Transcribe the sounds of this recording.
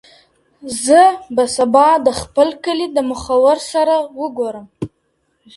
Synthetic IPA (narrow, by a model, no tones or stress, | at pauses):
zɨbasabadaχpʰɨlkʰɨlidamɨχawərsaɾawʊɡʷoɾam